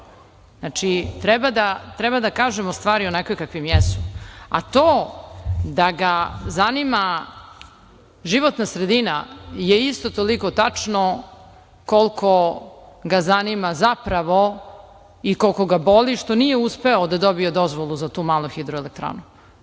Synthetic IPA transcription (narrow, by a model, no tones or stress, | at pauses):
znat͡ʂit̪ɾɛbad̪at̪ɾɛbad̪akaːʒemost̪ʋaːɾionɛkokakʋimjɛsua̰t̪oː | d̪aɡazanima | ʒiʋot̪nasɾed̪inajeist̪ot̪oliko̞t̪at͡ʂno | kolkʰoɡazanimazapɾaʋo | ikolkoɡaboliʂt̪o̞nijeuspeod̪ad̪obiod̪ozʋolˠuzat̪uːmaːlˠuxid̪ɾoelek̚t̪ɾa̰ːnu